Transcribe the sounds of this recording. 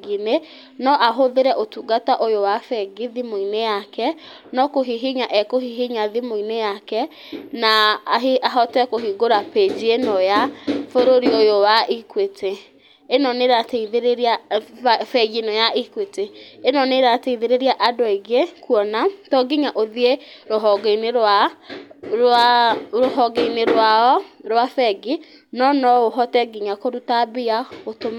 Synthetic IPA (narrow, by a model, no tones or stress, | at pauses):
ɡine | nɔʔaɦoðeɾɛʔotuɡataʔojowafɛɡiðimoinejakɛ | nɔkoɦiɦiɲaʔɛkohiɦiɲaðimoinejakɛ | naɦiaɦɔtɛkoɦiɡoɾaped͡ʑienɔjafoɾoɾiojowaʔikwetʰe | enɔneɾateiðeɾeɾia | fɛɡenɔjaʔikweteenɔneɾateiðeɾeɾiaʔadoeɡekuɔnatɔɡiɲaʔoðieɾoɦɔɡeneɾa | ɾoɦɔɡeineɾwaɔɾwafɛɡi | nɔnɔoɦɔtɛɡiɲakoɾutabejaotoma